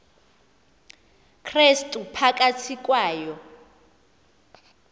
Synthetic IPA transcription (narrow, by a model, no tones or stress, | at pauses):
kʰrestʼupʰakʼat͡sʰikʼwaːjɔ